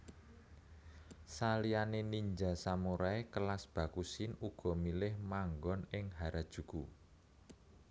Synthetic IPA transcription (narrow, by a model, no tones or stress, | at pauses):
salianeniɲd͡ʒasamuɾaekəlasb̥a̤kusɪnuɡ̥ɔ̤milɪhmaŋɡɔnɪŋɦaɾad̥ʒ̥ṳɡ̥u